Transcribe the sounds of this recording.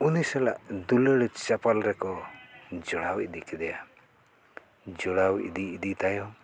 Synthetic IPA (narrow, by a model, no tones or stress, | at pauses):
unisala̰ʔd̪uləɽt͡ʃapalɾɛkɔd͡ʒɔɽawḭd̪ikʰɛd̪ɛja | d͡ʒɔɽawḭd̪iːd̪it̪ajɔ